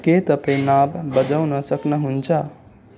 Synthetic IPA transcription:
ket̪əpẽnabbəd͡ʒawnʌsəknʌɦunt͡ʃʰʌ

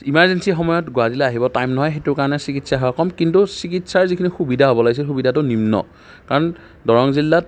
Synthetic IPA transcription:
imaɹzensixɔmɔjɔtɡʊadilɛaɦibɔtajmnɔɦɔjxetʊkaɹɔnɛsikitsaɦɔakɔmkintusikitsaɹzikʰinixubidʱaɦobɔlaɡis̬ilxubidʱatʊnimnɔ̰ | kaɹɔn | dɔɹɔŋzilːat

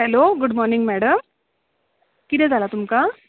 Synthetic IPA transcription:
ɦɛloɡuɖmɔɾniŋɡmɛɽəm | kit̪ɛ̃d͡zʱalat̪umka

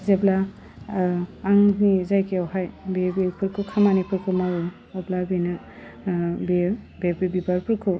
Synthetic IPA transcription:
zebla | ŋnizajkiawɦajbibipʰuɾkʰukʰamanipʰɯɾkʰumaw | ɔblabina | bi | bebbibaɾpʰɯɾkʰu

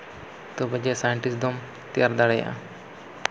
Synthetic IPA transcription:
t̪ɔbəd͡ʒɛsajɛɳʈisd̪ɔm | t̪ɛjaɾd̪aɽɛja̰ʔa̰

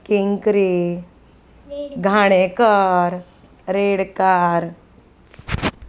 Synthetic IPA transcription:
keŋkɾe | ɡʱaɽ̃ekəɾ | ɾeɽkaɾ

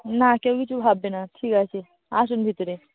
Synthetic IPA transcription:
nakewɡit͡ɕubʱabːenaʈʰiːkase | as̬unbʱit̪ɾe

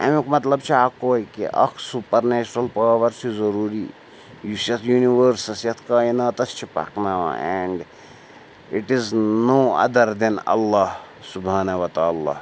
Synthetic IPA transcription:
ɛ̰mikmɐt̪ləbt͡ʃʰiakoːkḭʔɐ̰kʰsupəɾnɛːt͡ʃɐɾɐlpəʋɐɾsizɐɾuːɾi | jusjɐt̪ʰjuːniʋəɾsɐsjɐt̪ʰkainɐt̪ɐst͡ʃʰipa̰knaʋã̰ɛɳɖ | iʈiznoːɐ̰d̪ɐɾd̪inɐ̰lːah | subaːnɐʋɐt̪aːlːa̰h

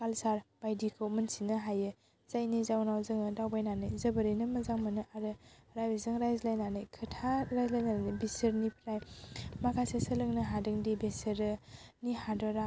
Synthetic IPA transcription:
kalsaɾb̥ajdikʰɯwmɯnsinɯɦajɯ | zajnizawnawzɯŋɯdawbajnanɯjzɐbəɾinɯmɐzaŋmɯnɯʔaɾɯɾajbezɯŋɾajzlajnanɯjkʰɯtʰaɾajzlajnanɯbisɯɾnipʰɾajmakʰasesɯlɯŋnɯɦadɯŋdibesəɾɯnihadɔɾa

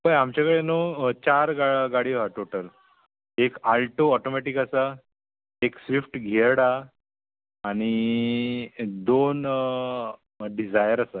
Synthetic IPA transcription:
pəjamt͡ɕakəɭenot͡ɕaɾɡaɡaɽiɦaʈoʈəl | ekalʈoɔʈomɛʈikasa | eksʋifʈɡʱeɽaː | ɽ̃i | d̪on | ɖid͡zajəɾasa

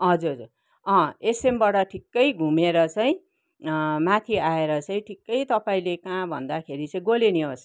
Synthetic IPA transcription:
ʌd͡zuɾɦʌd͡zur | ʌ̃esembaʈʌʈʰikːʌjɡʱumeɾʌt͡sʌĩ | mat̪ʰiaeɾʌt͡sʌĩʈʰikːʌjt̪ʌpaĩlekãbʱʌ̰nd̪akʰeɾit͡sʌĩɡoleniɦos

